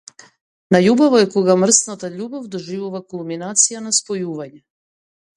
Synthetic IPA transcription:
naʎubaʋojekoɡamr̩snot̪aʎuːbavd̪oʒiʋoʋakulˠminaːt̪sijanaspojuːʋaɲɛ

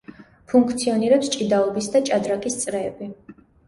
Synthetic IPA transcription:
pʰuŋkʰt̪sʰiɔniɾɛpst͡ʃʼid̪aɔbisd̪at͡ʃʼad̪ɾakʼist̪sʼɾɛːbi

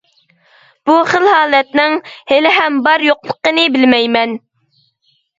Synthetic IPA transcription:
b̥uχəlhɑːlˠɛt̪nɪŋhelɪɦɛmbɑɾjoqlˠəqːənɨbɪlmɛjmɛn

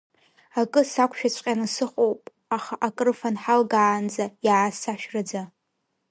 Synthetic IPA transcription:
akʼɨsakʷʰʃᶣat͡ɕʷʰʼqʲʼanɨsɨχʷʼowpʼ | aχaʔakʼɨrfanħalɡaːnd͡zajaːsaʃᶣrad͡za

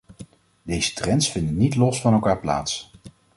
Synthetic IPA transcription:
dejzə̥trɛnsfɪndənitlɔsfɑnɛlˠkaːɹpla̰ːts

